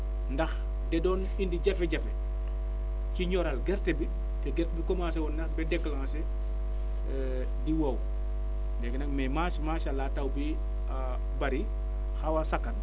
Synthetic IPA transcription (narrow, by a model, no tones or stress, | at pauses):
ndɐx | dɛdɔːn | indiɟɐfeɟɐfɛ | ciɲɔɾalɡɛɾtɛbi | tɛɡɛɾtbikɔmas̬ɛwɔnnɐxbɛdɛkːlaŋase | diwow | ndɛɡenɐkmɛmaʃmaːʃalatawbi | a | baɾi | xawasakːɐn